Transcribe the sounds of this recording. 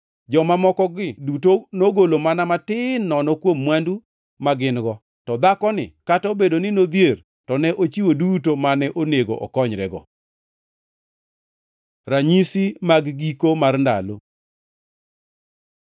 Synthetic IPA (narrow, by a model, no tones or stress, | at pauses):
d͡ʒɔmamɔkɔɡɪdutonoɡolomanamatɪnːɔnɔkwomːwandu | maɡɪnɡɔ | tɔd̪akɔnɪ̰katobedonɪnod̪jer | tɔnɛʔot͡ʃiwodutomanɛʔoneɡo̰ʔɔ̰kɔɲɾɛ̰ɡɔ̰ | raɲisimaɡɡikomarnda̰lo̰